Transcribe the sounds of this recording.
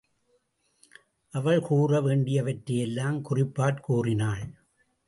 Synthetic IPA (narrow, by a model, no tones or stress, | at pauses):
ʔɐʋɐɭkuːrɐʋeːɳɖɪjɐʋɐʈɾɐjɛlːaːmkʊrɪpːaːɾkuːrɪnaːɭ